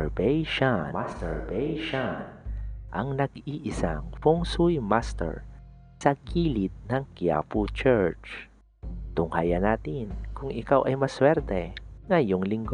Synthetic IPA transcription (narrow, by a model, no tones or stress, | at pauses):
ɹbɛjʃaast̪ɛɹbɛjʃanʔɐŋnɐɡiʔɪsa̰ŋfoŋsʊjmast̪ɛ̰ɹ | sɐkiːlɪt̪̚nɐŋkia̰put͡ʃɛɹt͡ʃ | t̪ʊŋhajɐnaːt̪ɪnkʊŋɪkawʔɐjmɐswɛɾt̪ɛŋɐjoŋlɪŋɡ